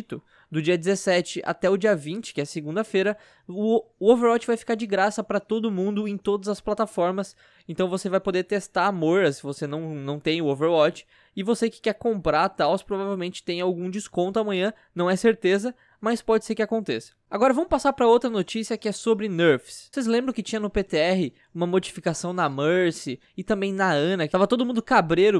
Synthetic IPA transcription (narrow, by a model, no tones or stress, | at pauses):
t̪ʊ | d̪ʊd͡ʒiɐd͡ʒɪzesɛt͡ʃɪʔa̰t̪ɛʊd͡ʒiɐvĩnt͡ʃɪ̥kɪɛsɪɡũnd̪ɐfeɾɐ | ʊoveɾwɔt͡ʃɪvajfi̥kaɾd͡ʒɪɡɾasɐpɾɐt̪od̪ʊmũnd̪ʊẽj̃t̪od̪ɐzɐsplat̪afɔɾmɐs | ẽnt̪ɐ̃w̃vosevajpod̪eɾt̪est̪aɾamoɾɐsɪvosenɐ̃w̃nɐ̃w̃t̪ẽj̃ʊoveɾwɔt͡ʃɪ̥ | ɪvosekɪ̥kɛɾkõmpɾaɾt̪awspɾovavewmẽnt͡ʃɪ̥t̪ẽj̃awɡũd͡ʒɪskõnt̪ʊamɐ̃ɲ̃ɐ̃ | nɐ̃w̃ɛseɾt̪ezɐ | maspɔd͡ʒɪseɾkɪakõnt̪esɐ̥aɡɔɾɐvɐ̃mʊpasaɾpɾɐowt̪ɾɐnot͡ʃisiɐkɪɛsobɾɪneɾfssejzlẽmbɾɐ̃w̃kɪt͡ʃĩɲ̃ɐnʊpet̪eɛɦɪ | ũmɐmod͡ʒifikasɐ̃w̃nɐməɾsɪ | ɪt̪ɐ̃mbẽj̃nɐɐ̃nɐkt̪avɐt̪od̪ʊmũnd̪ʊkabɾeɾʊ